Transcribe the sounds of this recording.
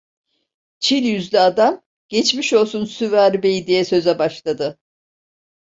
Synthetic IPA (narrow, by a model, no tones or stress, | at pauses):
t͡ʃʰilʲjyzlʲɛad̪am | ɟ̥ɛt͡ʃmiʃolˠsunsyvæɾbejid̪ijɛsø̞zɛbaʃlˠad̪ɯ